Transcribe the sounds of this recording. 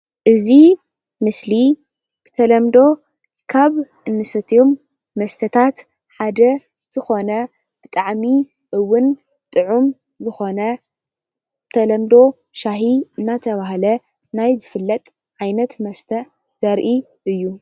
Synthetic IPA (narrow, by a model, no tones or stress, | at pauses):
ʔɨzi | mɨsli | b̥ɨ̥t̪ʰɐlɐmd̪o̞ | kʰaβʔɨnːɨsɐt̪ʰijomː | ɐst̪ʰɐt̪ʰat̪ | ħad̪ɐ | z̥ɨxo̞nɐ | b̥ɨt̪ʼaʕmi | ʔɨwːʊn | t̪ʼɨʕum | zɨxo̞nɐ | t̪ʰɐlɐmd̪o̞ | ʃaɦiɨnːat̪ʰɐβahlɐ | najzɨfɨlːɐt̪ʼ | ʕajnɐt̪mɐst̪ʰɐ | z̥ɐɾʔi | ʔɨjːu